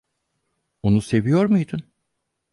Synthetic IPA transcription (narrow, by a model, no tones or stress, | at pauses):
onuse̞vijo̞ɾmujd̪un